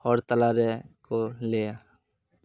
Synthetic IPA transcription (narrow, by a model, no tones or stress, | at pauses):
ɔːɾt̪əlaːɾɛkoleːja